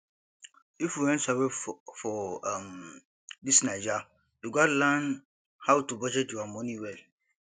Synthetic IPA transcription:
ifjuwɛ̃nsawɛfɔm | disnãd͡ʒa | juɡɔtlãn | hawtubɔd͡ʒɛd͡ʒuamɔ̃nĩwɛl

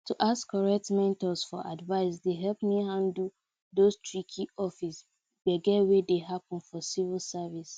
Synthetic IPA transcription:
tʰuʔaskʰːɔɹɛk̚tmɛ̃ntɔsfɔʔadvaɪsdeɦɛlpmiɦãndl̩ | dostʰɹikʰiɔfis | bɛɡɛwedeɦapə̃nfɔsivəlsavis

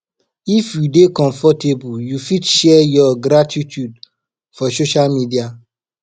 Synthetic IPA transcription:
ifjudekɔ̃ɱfɔtebujufitʃɛjɔɡɾatitʰud | fɔsoʃalmidia

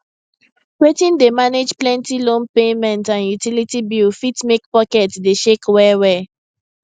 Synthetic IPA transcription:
wetĩndemaned͡ʒplɛ̃ntilõnpemɛ̃ntãnjutilitibifitmek̚pɔkɛtsdeʃekwɛwɛ

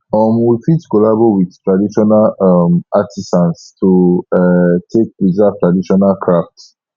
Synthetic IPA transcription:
ɔmwifitkɔlabowidtʰɹadiʃɔnalɔmatʰisãntstʰu | tʰek̚bizatʰɹadiʃɔnalkʰɹaft

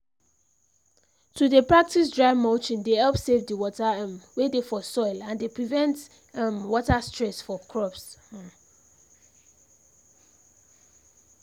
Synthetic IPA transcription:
tʰudepɹak̚tis̬dɹaɪmɔt͡ʃĩndehɛlˠpsevdəwɔtəmwedefɔsɔɪlãndepʰɹivɛ̃nt | mwɔtastɹɛsfɔkʰɹɔps

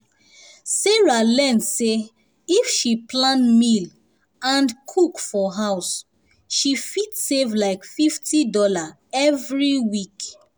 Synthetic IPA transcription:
seɹalɛnse | ifʃiplãnmil | ãnkʰukfɔɦaʊs | ʃifitsevlaɪkfiftʰidɔla | ɛvɹiwik

